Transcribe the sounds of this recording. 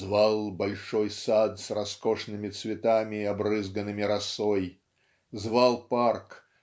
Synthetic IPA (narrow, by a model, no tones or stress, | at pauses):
zvalˠbɐlʲʂɔjsat̪srɐskɔʂnɨmʲɪt̪svʲɪt̪amʲɪɐbrɨzɡənɨmʲɪɾɐsoj | zvalˠpark